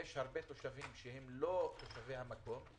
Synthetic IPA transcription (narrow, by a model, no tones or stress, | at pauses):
eʃhaʁbet̪oʃavimʃeɦemlot̪oʃavehamako̞m